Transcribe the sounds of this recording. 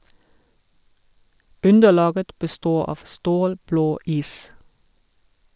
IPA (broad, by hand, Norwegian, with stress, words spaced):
ˈʉndəˌlɑːɡə bəˈstoː ˈɑːʋ ˈstoːlbloː ˈiːs